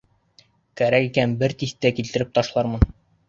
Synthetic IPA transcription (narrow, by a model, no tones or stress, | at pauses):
kæɾækikænbɘɾt̪ist̪ːækilt̪ɘ̆ɾɘp̚t̪ɒʃlˠɑɾmɤn